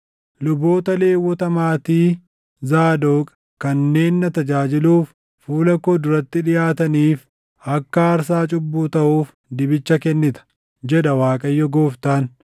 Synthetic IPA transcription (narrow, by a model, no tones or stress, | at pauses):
lʊbo̞ːt̪ɐle̞ːwːɔt̪ɐmaːt̪iː | zaːd̪oːkʼɐ | kɐnːe̞ːnːɐt̪ɐd͡ʒaːd͡ʒɪluːfː | uːlɐkoːd̪ʊɾɐt̪ːɪᶑɪjaːt̪ɐniːf | ɐkːɐːɾsaːt͡ʃʼʊbːuːt̪ɐʔuːf | d̪ɪbɪt͡ʃːɐkɛnːɪt̪ɐ̥ | d͡ʒɛᶑɐwaːkʼɐjːɔɡoːft̪aːn